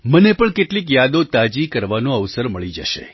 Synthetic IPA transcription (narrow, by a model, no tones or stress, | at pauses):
mənepəɳkeʈlik̬jad̪ot̪ad͡ʒikəɾʋanõəʋsəɾməɭid͡ʒə̰ʃḛ